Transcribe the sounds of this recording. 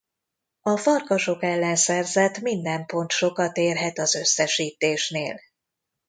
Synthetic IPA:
ɒfɒrkɒʃo̞kɛlːɛnsɛrzɛt̪mind̪ɛmpo̞nt̪ʃo̞kɒt̪eːrɦɛt̪ɒzø̞sːɛʃiːt̪eːʃneːl

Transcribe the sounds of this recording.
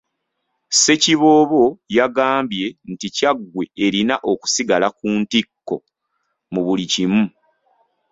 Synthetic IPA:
se̞ciβo̞ːβo̞jaɡaːmbje̞nticaɡwe̞eɾinaʔo̞ku̥siɡalakuːntikːo̰ | muβulicimu

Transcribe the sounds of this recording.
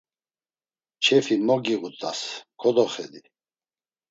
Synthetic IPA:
t͡ʃʰɛfimɔɡiɣut̪ʼaskʰɔd̪ɔχɛ̰d̪i

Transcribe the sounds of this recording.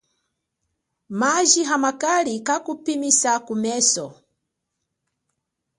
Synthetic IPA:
maʒiɦamakalikakupimisakumɛsɔ

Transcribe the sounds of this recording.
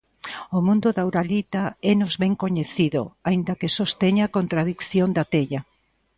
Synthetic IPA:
omũnd̪ʊðawɾalit̪aɛnozβeŋkoɲeθiðo̰aind̪ɐkesost̪eɲakont̪ɾaðikθjond̪at̪eʎɐ

